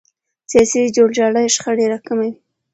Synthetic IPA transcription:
sjɑsid͡ʒoɽd͡ʒɑɽajʃxaɽeɾakamawi

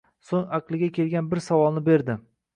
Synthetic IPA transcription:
soŋaqlˠɪɡʲakʲʰe̞lˠɡʲanbɪɾsavɒlˠnɪbe̞ɾd̪ɪ

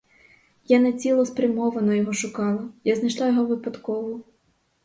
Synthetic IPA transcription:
janet͡sʲilˠɔspɾʲɐmɔʋɐnɔjɔɦɔʃʊkɑlˠɐjaznɪʃlˠɑjɔɦɔʋɪpɐd̪kɔʋʊ

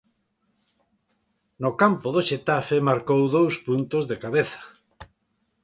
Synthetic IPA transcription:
nokampoðoʃet̪afemaɾkowðowspunt̪ozðekaβeθḁ

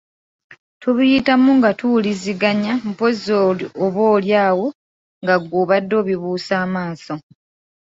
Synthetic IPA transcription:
tuβujitamuŋɡatuliziɡaɲamupozooβo̞ːljaːwo̞ | ŋɡaɡuːβadːo̞ːβiβuːsaːmaːso

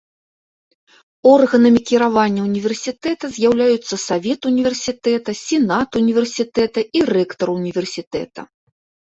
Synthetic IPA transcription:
ɔrɣɐnɐmʲikʲiɾavanʲːɐunʲivʲɛrsʲit̪ɛt̪ɐzʲjawlʲajut̪sːɐsavʲɛt̪unʲivʲɛrsʲit̪ɛt̪ɐsʲɛnat̪unʲivʲɛrsʲit̪ɛt̪ɐʔirɛkt̪ɐɾunʲivʲɛrsʲit̪ɛ̰t̪ɐ̰

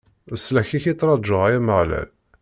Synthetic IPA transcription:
əsːlæçiçit͡sːɾˤɑʒːəʁajæməʕlæ̰l

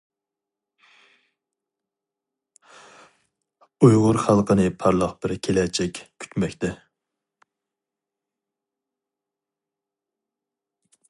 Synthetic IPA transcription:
ujʁʊɾχælˠqənɨpʰɑɾlˠɑχbɪɾkʲʰelɛt͡ʃʰɛkʲkʲʰy̥t̪mɛkʲt̪ɛ

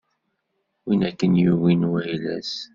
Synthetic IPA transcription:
winækːənjuwinwæjlæ̰s

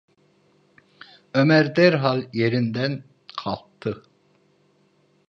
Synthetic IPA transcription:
ømɛɾd̪ɛɾɦɑlˠjeɾind̪ɛn | qʰɑlˠt̪ʰːɯ

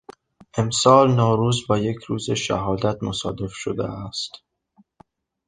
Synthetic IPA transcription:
ʔe̞msɒːlnɒːɾuːzbɒːje̞cʰɾuːzeʃæ̰ɦɒːd̪æt̪̚ʰmosɒ̰ːd̪e̞fʃod̪ḛæst̪

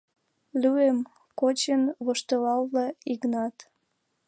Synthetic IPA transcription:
lyem | kot͡ɕənβoʃt̪əlɑlβlɑiknɑt̪

